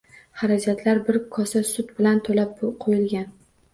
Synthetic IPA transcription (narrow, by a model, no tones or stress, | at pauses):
haɾad͡ʒat̪ʰlaɾbɪɾkʰɒsasʊt̪bɪlant̪ʰolap̚qʰojɪlɡʲan